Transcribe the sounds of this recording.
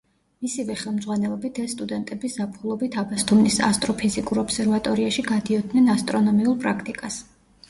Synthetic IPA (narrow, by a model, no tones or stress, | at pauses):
misivɛχɛlˠmd̪zʁwanɛlˠɔbit̪ʰɛsːt̪ʼud̪ɛnt̪ʼɛbisz̥apʰχulˠɔbit̪ʰabast̪ʰumnisa̰st̪ʼɾɔpʰizikʼuɾɔpsɛɾvat̪ʼɔɾiaʃiɡad̪iɔd̪nɛnast̪ʼɾɔnɔmiulˠpʼɾakʰt̪ʼikʼas